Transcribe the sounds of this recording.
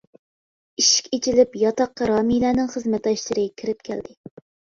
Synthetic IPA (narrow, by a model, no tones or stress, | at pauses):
iʃi̥kʲet͡ʃʰilɪpjɑt̪ɑqːɑɾɑːmilæːnɪŋχəzmɛt̪ɑʃlˠɨɾɨkʲʰiɾɪp̚kʲʰɛld̪ɪ